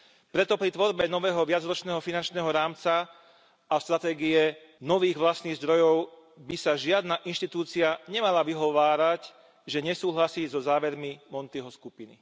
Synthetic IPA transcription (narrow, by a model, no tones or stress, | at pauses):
pɾɛt̪ɔpɾit̪ʋɔɾbɛnɔʋɛːɦɔʋɪad͡zɾɔt͡ʃnɛːɦɔfinant͡ʃnɛːɦɔɾaːmt͡sa | ast̪ɾat̪ɛːɡiɛ | nɔʋiːɣʋlast̪niːɣzd̪ɾɔjɔʊ | bisaʒɪad̪naʔinʃt̪it̪uːt͡siaɲɛmalaʋiɦɔʋaːɾac | ʒɛɲɛsuːɦlasiːzɔzaːʋɛɾmimɔnt̪iɦɔskupinḭ